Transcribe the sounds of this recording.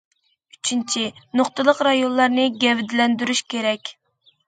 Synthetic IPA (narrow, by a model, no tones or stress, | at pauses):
yt͡ʃʰint͡ʃʰinoχt̪ɨlˠəqɾɑjonlˠɑɾnɨɡʲɛvɪd̪ɪlɛnd̪yɾyʃkʲeɾɛkʲ